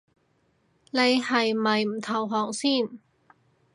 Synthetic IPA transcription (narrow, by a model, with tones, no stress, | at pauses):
ne˨˧jhɐ˨jmɐ˨jm̩˨˩t̪ʰɐ˨˩wɦɔː˨˩ŋsiː˥˩n